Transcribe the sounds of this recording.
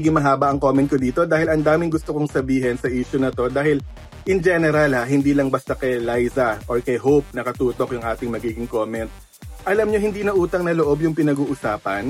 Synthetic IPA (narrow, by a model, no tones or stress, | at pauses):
ɡɪŋmɐɦaːbɐʔɐŋkomɛnt̪kod̪iːt̪o̞d̪aːhɪlɐnd̪aːmɪŋɡʊst̪okoŋsɐbiːɦɛnsɐʔiːʃʊnɐt̪o̞d̪aːhɪl | ʔɪŋd͡ʒɛnɛɾalhaɦɪnd̪iːlɐŋbɐst̪ɐkɐjlajzɐʔoɹkɐjɦowp̚nɐkɐt̪uːt̪o̞kjʊŋʔaːt̪ɪŋmɐɡiːɡɪŋko̞ːmɛnt̪̚ | ʔɐlɐmɲohɪnd̪iːnɐʔuːt̪ɐŋnɐloʔobjʊŋpɪnɐɡuːʔʊsaːpɐn